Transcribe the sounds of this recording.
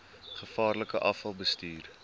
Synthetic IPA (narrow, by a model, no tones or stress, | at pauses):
χəfɑːrləkəʔɐfɐlˠbəstyːr